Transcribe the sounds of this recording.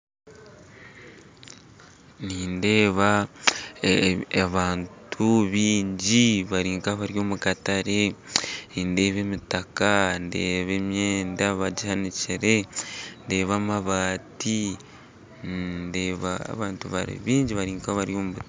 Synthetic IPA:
niːnde̞ːβa | aβaːntʰuβiːɲɟiβaɾiːŋkaβaɾjo̞ːmukataɾe | inde̞ːβe̞ːmitakande̞ːβe̞mjeːndaβaɟihaniciɾe̞nde̞ːβaːmaβaːti | nndeːβa̰βaːntuβa̰ɾḭβiːɲɟiβaɾiːŋkaβaɾjo̞ːmuβu

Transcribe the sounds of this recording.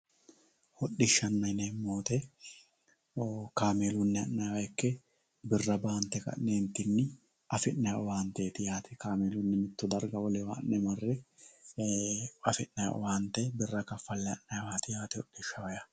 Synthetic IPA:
hɔɗːɪʃːɐnːɐjneːmoːt̪ɛ | kaːmeːlʊnːɛɐnːɐjwɐɛkːɛ | bɪrːɐbaːnt̪ɛkɐ̰ʔneːnt̪ːɪnːɪ | ɐfɪnːɐjʔɔwaːnt̪eːt̪ɪjaːt̪ɪkaːmeːlʊnːɪmɪt̪ːʊd̪ɐɾɡɐwɔlɛwa̰ːnːɛmɐrːɛ | ɐfɪnːɐj̰ʔɔ̰waːnt̪ɛbɪrːɐkɐfːɐlːɛɐnːɐjwaːt̪ɪjaːt̪ɪɔɗːɪʃːɐwɐjɐ

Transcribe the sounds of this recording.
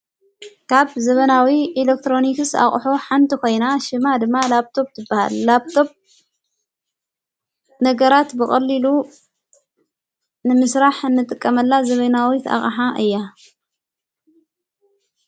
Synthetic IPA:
kʰaβzɐβɐnawiʔilek̚t̪ɾo̞nikɨsa̰χʼħoħant̪ʰiko̞jnaʃɨmad̪ɨmːalaβt̪ʰo̞b̚t̪ʰɨbːaha̰lːaβt̪ʰo̞b̚ | nɐɡɐɾat̪bɨxʼɐlːilu | nɨmɨsɾaħɨnːɨt̪ʼɨkʼːɐmɐlːazɐβɐnawit̪ʰa̰xʼaħaʔɨjːa

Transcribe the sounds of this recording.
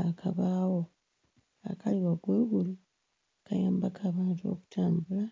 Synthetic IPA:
akʰaβaːwo̞ | a̰kaliwaɡweɡulu | kajaːmbakʰaːβaːntuo̞̰ku̥tʰaːmbula

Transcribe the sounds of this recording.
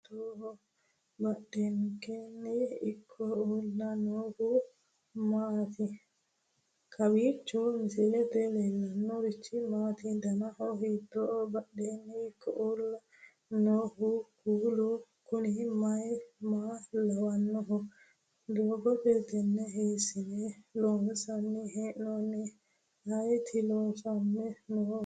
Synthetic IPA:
t̪oːɦɔ | bɐɗenkenːiːkʰːɔolnɐnoːhu | maːt̪i | kʰɐwiːt͡ʃːɔmɪsilɛt̪ɛlɛlːɐnːɔɾit͡ʃːimaːt̪id̪ɐnɐɦɔɦiːt̪ːoːʔɔbɐɗenːiːkʰːɔʔuːlɐ | noːhʊkuːlu | kʊnɪmɐjmaːlɐwɐnːɔɦɔ | d̪oːɡɔpeːt̪ɛnːɛɦeːsɪneloːmsɐnːɪɦeːʔnonːɛ | hɐjt̪ʰɪloːfɐnːɛnoː

